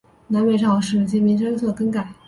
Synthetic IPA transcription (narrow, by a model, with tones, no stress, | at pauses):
na˧˥nwe˥ɪʂɑ˥˩ʂɻ̩˥˩t͡ɕi˥mi˧˥nʂɤ˥nswɔ˥˩kɤ˧˥˩ŋka˨˩˦